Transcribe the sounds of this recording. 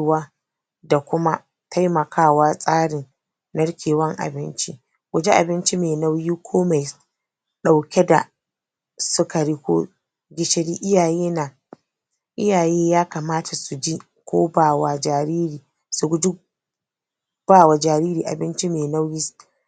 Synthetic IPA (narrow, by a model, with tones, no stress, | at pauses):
waː˦ | da˨kʷʊ˦ma˦ | tʰa˦jmɐ˨kʰaː˦˨waː˦sʼaː˦ɽɪ˨n | nɐ˦ɽkʲʰeː˨wɐ˦ŋʔa̰˨bɪ˦nt͡ʃi˦ | ɡʷʊ˨d͡ʒi˦ʔa̰˨bɪ˦nt͡ʃi˦meː˨na˦wjiː˦kʷʰoː˦ma˨j | ɗa˨wkʲɛ˦da˨ | sʊ˦kɐ˨ɽiː˦kʷo̰ː˦ | ɡʲɪ˦ʃɪ˦ɽiː˦ʔɪ˦jaː˨jeː˦na˨ | ʔɪ˦jaː˨jeː˦jaː˦ka˨maː˦tʰa˨su˨d͡ʒi˦ | kʷo̰ː˦baː˦˨wa˨d͡ʒaː˨ɾiː˦ɾiː˨ | su˨ɡʷʊ˦d͡ʒɪ˦ | b̥aː˦˨wa˨d͡ʒaː˨ɾiː˦ɾiː˨ʔa̰˨bɪ˦nt͡ʃi˦meː˨na˦wjiː˦